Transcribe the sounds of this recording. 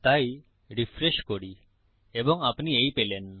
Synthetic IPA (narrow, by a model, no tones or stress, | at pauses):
t̪aj | ɾifʰɾeʃkoɽi | ebɔŋapniejpelen